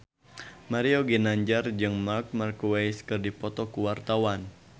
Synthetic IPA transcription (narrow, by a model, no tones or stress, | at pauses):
maɾiɔɡinaɲd͡ʒard͡ʒɨŋmark̚markuwajskɨrdipɔt̪ɔkuwart̪awan